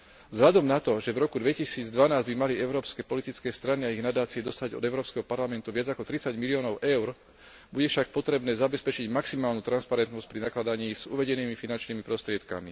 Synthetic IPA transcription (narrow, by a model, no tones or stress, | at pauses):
zɦlʎad̪ɔmnat̪ɔʒɛvɾɔkud̪ʋɛcisiːd͡zd̪ʋanaːzɟbimaliɛʊɾɔːpskɛːpɔlit̪it͡skɛːst̪ɾaniaiɣnad̪aːt͡siɛd̪ɔst̪aɟɔ̰d̪ɛʊɾɔːpskɛɦɔpaɾlamɛnt̪uʋɪad͡zakɔt̪ɾit͡saɟmiliɔːnɔʊʔɛʊɾ | buɟɛfʃak̚pɔt̪ɾɛbnɛːzabɛspɛt͡ʃiɟmaksimaːlnuːt̪ɾanspaɾɛnt̪nɔsc̚pɾinaklad̪aɲiːz̥ṵʋɛɟɛniːmifinant͡ʃniːmipɾɔst̪ɾɪɛt̪ka̰mi